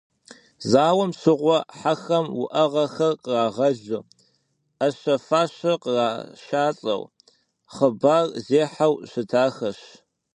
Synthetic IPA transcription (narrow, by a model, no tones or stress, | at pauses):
zaːwɐmsɨʁʷɔħaxɐmwʊʔɐʁɐxɐrqəraːʁɐʒɨ | ɐɕɐfaːɕɐqəraːʃaːt͡sʼɐ̰w | χəbaːrzeːħawɕɨtʰaːxɐɕ